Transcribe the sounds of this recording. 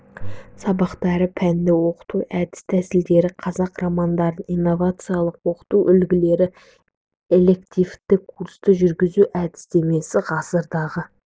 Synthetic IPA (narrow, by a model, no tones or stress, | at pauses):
sɑbɑqt̪ɑɾəpʰænd̪ewo̞qə̥t̪uʔæd̪ɪ̥st̪ʰæsɪld̪e̞ɾɪqʰɑzɑqrɑmɑnd̪ɑɾd̪ənijnːo̞vat̪sɨjalˠəqwo̞qə̥t̪uʔʏlɡʲɪle̞ɾɪ | e̞le̞kt̪ijft̪ɪkʰːuɾst̪əʒʏɾɡʲɪzuʔæd̪ɪ̥st̪e̞me̞sɪʁɑsəɾd̪ɑʁə